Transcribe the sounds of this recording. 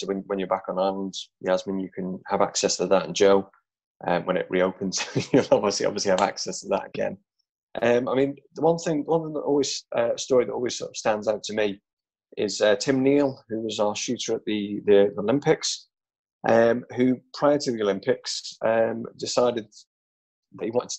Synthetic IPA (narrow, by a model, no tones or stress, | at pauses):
swə̃nwə̃njə˞bakn̩aɪlə̃nz̥jəazmĩnjəkʰə̃nəva̰ksɛstʰəðətə̰̃nd͡ʒoʊ | ʔʌ̰̃mwə̃ñɪ̰ʔɹʔioʊpʰə̃nz̥jəlˠɒbviəsliʔɒ̰bviəsliəva̰ksɛstʰəðə̰tə̰ɡ̥ɛ̰̃n | ʔʌ̃maɪmĩnðəwʌ̃nθɪ̃ŋðəwʌ̃nθɪ̃ŋðəʔɔ̰ːlˠwiz̥ʔʌstɔːɹiðətɔ̰ːlˠwiz̥sɔ̰tv̥stãndzaʊtʰəmi | ʔɪz̥ətʰɪ̃mniːlˠhʉɪzəʃʉˑtəɹəʔðiðəðiəlɪ̃mpɪks | ʔʌ̃mhʉpʰɹ̥aɪətʰəðiəlɪ̃mpɪksʌ̃mdɪsaɪdɪd̪̚ | ðəiwɒ̃ntɪ